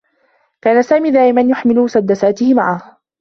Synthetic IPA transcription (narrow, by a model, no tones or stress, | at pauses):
kaːnasaːmiːd̪aːʔɪmanjʊħmɪlʊmʊsad̪ːasaːt̪ɪhɪmaʕah